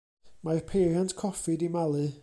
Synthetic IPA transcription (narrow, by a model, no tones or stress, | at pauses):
majrpʰeːɾjantkʰɔfɪdimalˠɨ